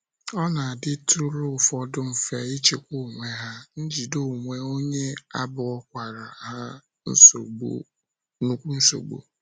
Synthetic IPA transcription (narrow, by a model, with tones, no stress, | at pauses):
ɔ˦na˨a˨dɪ˦tʊ˦ɾʊ˦ʊ˨fɔ˨dʊ˦m̩˨fe˨i˦t͡ʃe˨kʷu˦˨ŋʷe˦ɦa˦n̩˦d͡ʒi˨do˦˨ŋʷe˦o˦ɲe˦a˦bʊ˨ɔ˦kʷa˨ɾa˨ɦa˦ | n̩̰˦so̰˨ɡ͡bo̰˨ | nu˦kʷu˦n̩˦so̰˨ɡ͡bo̰˨